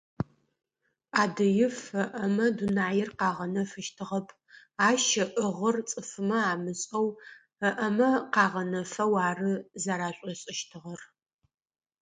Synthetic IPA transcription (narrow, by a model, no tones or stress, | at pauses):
aːdɐjɪfəʔɐmɐdunaːjɪrqɑːʁɐnɐfɨʃtʰɨʁɐpʰ | aːʃɐʔəʁərt͡sʼɨfɨmɐaːmɨɕʼɐw | əʔɐmɐqɑːʁɐnɐfɐwaːrɨzaɾaːɕʷʼɔɕʼɪʃtʰɨʁɐr